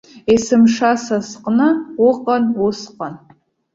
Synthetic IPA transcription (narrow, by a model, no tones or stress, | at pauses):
esɨmʂasasqʼnɨʊqʼanʊsqʼan